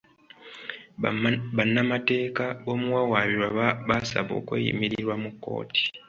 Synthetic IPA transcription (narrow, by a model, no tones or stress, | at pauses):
βanːamate̞ːkaβo̞muwawaβiɾwaβasa̰βo̰ːkwḛːjḭmiɾiiɾwamukːo̞̰ːti̥